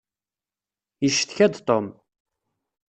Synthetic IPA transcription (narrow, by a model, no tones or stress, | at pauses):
jəʃːθçæd̪t̪ˤom